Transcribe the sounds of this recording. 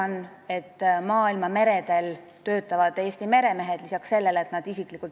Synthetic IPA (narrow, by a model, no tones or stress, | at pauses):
ɑn | e̞t̪ːmɑːilmɑme̞ɾe̞d̪̥e̞l | t̪ø̞ːt̪ːˑɑvɑd̪æjesʲt̪ime̞ɾe̞me̞ɦed̪̥lisɑksse̞lːe̞let̪nɑd̪̥isikˑlikːˑult̪